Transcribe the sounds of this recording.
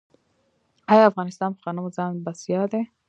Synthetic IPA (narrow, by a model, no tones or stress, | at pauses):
ɑjɑafɣɑnɪst̪ɑnpəxɑnəmozɑnbasjɑd̪e